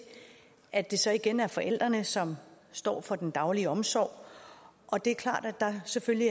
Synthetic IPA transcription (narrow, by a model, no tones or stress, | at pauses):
ʔæd̥e̝sɒ̽iɡ̥enæɐfɒ̽ʔel̰d̥ʁɐnəsɒ̽m | sd̥ɒ̰ːfɒ̽d̥end̥ɑ̈ʊliəɒ̽msɒ̰ːʊ̰ʔɒ̽d̥e̝æɐkʰlɑ̰̈ːd̥æ̥d̥ɑ̈sefølji